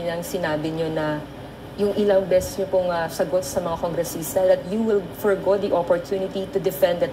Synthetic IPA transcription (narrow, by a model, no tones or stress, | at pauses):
nɐŋsɪnaːbɪɲonɐ | jʊŋʔɪlɐŋbɛsɛsɲopʊŋɐsɐɡot̪̚sɐmɐŋakoŋɡɾɛsiːst̪ɐd̪ɐt̪̚juwɪlfɔɹɡod̪iʔopoɹt̪ʰjuːnɪt̪it̪ud̪ɛfɛ̃nd̪ɐt̪